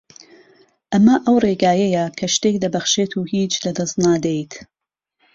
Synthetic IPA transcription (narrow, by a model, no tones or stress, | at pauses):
ʔɐmɐʔɐwreɡaːjɐjɐkʰɐʃt̪eːk̚d̪ɐbɐxʃet̪ʰuːhiːt͡ʃd̪ɐd̪ɐst̪naːd̪ejt̪